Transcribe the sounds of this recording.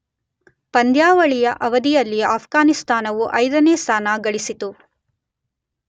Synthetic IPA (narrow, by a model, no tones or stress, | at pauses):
pɐnd̪jaːʋɐɭijɐʔɐʋɐd̪ijɐlːiaːpʰɡaːnist̪ʰaːnɐʋuʔɐjd̪ɐneːst̪ʰaːnaɡɐɭisit̪u